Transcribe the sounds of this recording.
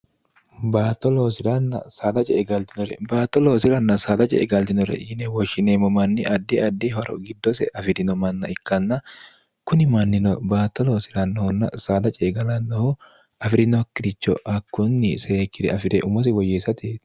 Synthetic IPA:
baːt̪ːɔloːsɪɾɐnːɐ̰saːd̪ɐt͡ʃʼɛɡɐlt̪ɪnɔɾɛ̰baːt̪ɔloːsɪɾɐnːɐsaːd̪ɐt͡ʃʼɛ̰ɡɐlt̪ɪnɔɾɛ̰jɪnɛwɔʃɪneːmɔmɐnːɪʔɐd̪ːiɐd̪ːihɔɾɔ̰ɡɪd̪ːɔsɛ̰ʔɐfɪd̪ɪnɔmɐnːɐɪkːɐnːɐ | kʊnɪmɐnːɪnɔbaːt̪ːɔloːsɪɾɐnːɐhɔnːɐ̰saːd̪ɐt͡ʃʼɛːɡɐlɐnːɔhʊ | ɐfɪɾɪnɔkːɪɾɪt͡ʃːɔʔɐkːʊnːɪseːkːɪɾɛɐfɪd̪ɛʔʊmɔs̬ɪwɔjeːsɐt̪eːt̪

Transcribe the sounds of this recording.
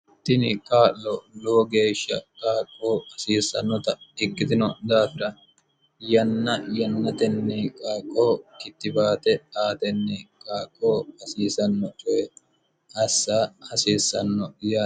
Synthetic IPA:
t̪ːɪnɪkʼaːlːɔloːɡe̞ːʃːɐ̰kʼaːkʼːoːhɐsiːsɐnːɔt̪ɐɪkːɪt̪ɪnɔd̪aːfɪɾɐ | jɐnːɐjɐnːɐt̪ɛnːɛkʼaːkʼːoːkɪt̪ːɪbaːt̪ɛaːt̪ɛnːɛkʼaːkʼːoːhɐsiːsɐnːɔt͡ʃʊɛ | ʔɐsːaːhɐsiːsːɐnːɔjaː

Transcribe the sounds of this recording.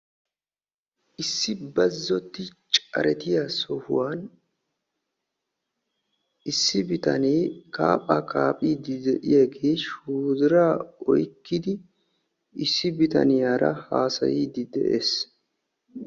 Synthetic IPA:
ʔɪsːɪbɐzːɔt̪ːɪt͡ʃʼɐ̰ɾɛt̪ɪjasɔhʊ̰wan | ɪsːɪbɪt̪ɐneːka̰ːpʼːakaːpʼiːd̪ɪd̪ɛʔɪjeɡeːʃuːd̪ɪɾaɔjkːɪd̪ɪ | ɪsːɪbɪt̪ɐ̰nɪjaːɾɐ̰haːsɐ̰jiːd̪ɪd̪ɛʔḛːs

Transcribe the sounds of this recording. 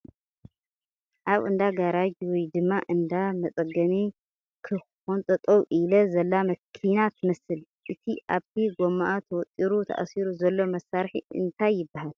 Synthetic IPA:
ʔaβɨnd̪aɡaɾad͡ʒwɔjd̪ɨmːaʔɨnd̪amɐsʼɐɡɐmi | kʰɨ | xont̪ʼɐt̪ʼɐwʔilɐzɐlːamɐkʰinat̪ʰɨmɐsɨl | ʔɨt̪ʰiʔaβt̪ʰiɡomaʔat̪ʰwɔt̪ʼiɾut̪ʰa̰ʔa̰siɾuzɐlːomɐsaɾħḭʔɨ̰nt̪ʰajːɪbːahal

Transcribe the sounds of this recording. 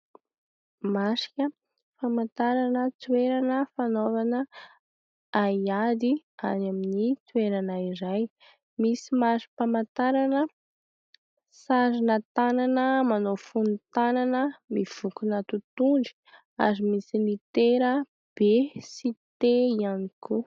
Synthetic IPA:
masi̥kʲə | famant̪aɾanət͡sweɾanəfanovanə | ajad̪ianaminit͡sueɾanaiɾaj | misimaɾi̥pamant̪aɾanə | saɾinət̪ananəmanofunt̪ananəmiv̥ukunət̪ut̪uɳɖ͡ʐi̥ | a̰ɾimisinit̪eɾə | b̥esit̪eianiku

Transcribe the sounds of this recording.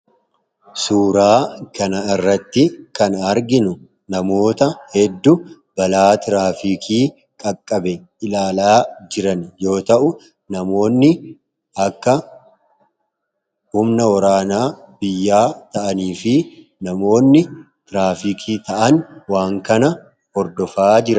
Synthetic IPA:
suːɾaːkɐnɐɪrːɐt̪ːɪkɐnɐɾɡɪnʊ | nɐmo̞ːt̪ɐhɛd̪ːʊ | bɐlaːt̪ɾaːfikʰiː | kʼɐkʼːɐbɛ | ɪlaːlaːd͡ʒɪɾɐnjo̞ːt̪ɐʔʊ | nɐmo̞ːnːɪ | ʔɐkːɐ | hʊmnɐwɔɾaːnaːbɪjːaːt̪ɐʔɐniːfɪ | nɐmo̞ːnːɪ | t̪ɪɾaːfiːkʰiːt̪ɐʔɐnwaːŋkɐnɐ | hɔɾd̪ɔfaːd͡ʒɪɾɐ

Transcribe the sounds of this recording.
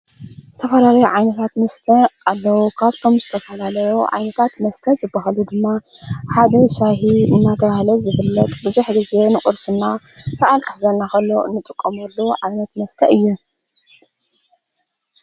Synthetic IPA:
z̥ɨt̪ʰɐfɐlalɐjoʕajnɐt̪ʰat̪mɐst̪ʰɐalːɐwukʰaβt̪ʰo̞mzɨt̪ʰɐfɐlalɐjoʕa̰jnɐt̪ʰat̪mɐst̪ʰɐzɨbːaɦalud̪ɨmːa | ħad̪ɐʃaɦiɨnːat̪ʰɐβahlɐzɨfɨlːɐt̪ʼbɨzuħɡize̞nɨkʼɨɾsɨnːasɐʔalk̪ʰʼɨħzɐnːakɐlːoɨ̰nːɨt̪ʼɨkʼːomɐlːuʕajnɐt̪mɐst̪ʰɐʔɨjːu

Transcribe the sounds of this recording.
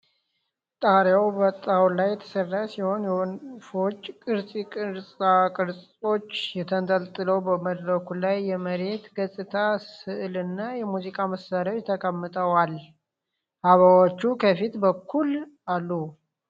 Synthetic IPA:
t̪ʼaɾjawbət̪ʼːawlajːɛt̪ʰə̥sərːasiho̞njɛnfo̞t͡ʃʼːkʼɨɾsʼikʼɨɾsʼakʼɨɾsʼ | o̞t͡ʃːjɛt̪ʰənt̪ʼəlt̪ʼɨləwbəməd̪ɾəkʰulajːɛməɾe̞t̪ɡəsʼɨt̪ʰasɨʔlɨnːajɛmuzikʼaməsːaɾot͡ʃt̪ʰəkʼəmːɨt̪ʼəwal | haβawot͡ʃːukʰəfit̪bəkʰːulalːu

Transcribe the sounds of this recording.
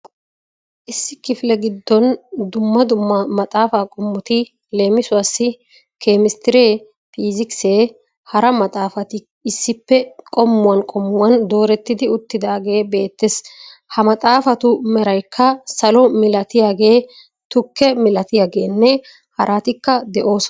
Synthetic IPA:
ʔɪsːɪkɪfɪlɛɡɪd̪ːɔnd̪ʊmːɐd̪ʊmːɐmɐt̪ʼaːfaːkʼɔmːʊt̪ɪ | le̞ːmɪsʊwɐsːɪ | kʰeːmɪst̪ɪɾeː | pʰiːzɪkseː | hɐɾɐmɐt̪ʼaːfɐt̪ɪ | ɪsːɪpːɛkʼɔmːʊwɐnkʼɔmːʊwɐnd̪o̞ːɾɛt̪ːɪd̪ɪʊt̪ːɪd̪aːɡe̞ːbe̞ːt̪ːeshɐmɐt̪ʼaːfɐt̪ʊmɛɾɐjkʰːɐsɐlɔmɪlɐt̪ɪjaːɡe̞ː | t̪ʊkːɛmɪlɐt̪ɪjaːɡe̞ːnːɛ | hɐɾʔaːt̪ɪkːɐd̪ɛʔo̞ːs

